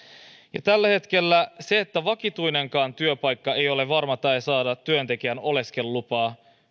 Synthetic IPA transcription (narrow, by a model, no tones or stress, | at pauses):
jɑt̪ælːæhe̞t̪k̟e̞lːæse̞et̪ːæʋɑkit̪ujne̞ŋkɑːnt̪yøpɑjkːɑejo̞le̞ʋɑrmɑt̪æesɑːdɑt̪ːyønt̪e̞k̟iæno̞le̞ske̞lːupɑː